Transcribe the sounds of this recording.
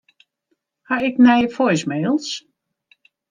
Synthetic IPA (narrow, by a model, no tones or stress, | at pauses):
haɪknɛjəfɔjsmeːlˠs